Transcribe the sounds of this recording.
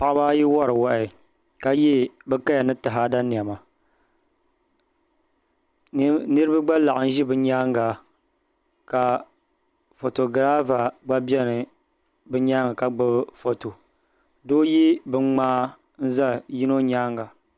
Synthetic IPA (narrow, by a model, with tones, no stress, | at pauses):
pa˨ʔa˦ba˦ji˦wɔ˦ɾɨ˨wa˨ʔɪ˨ | ka˨ji˦bɨ˦ka˦ja˨nɨ˦ta˨ɦa˦da˦ni˨a˨ma˨˦ | nɨ˦ɾɨ˦ba˦ɡ͡ba˦la˨ʔn̩˦ʒi˦bɨ˨ɲaː˦ŋɡa˨ | ka˨ | fo˨to˨ɡɾa˦va˨ɡ͡ba˦bɛ˦nɨ˨ | bɨ˦ɲaː˦ŋa˨ka˨ɡ͡bɨ˦bfo˨to˨ | doː˦ji˦bɨ˨˦ŋ͡maː˦ | n̩˦za˦˨ji˦no˦ɲaː˦ŋɡa˨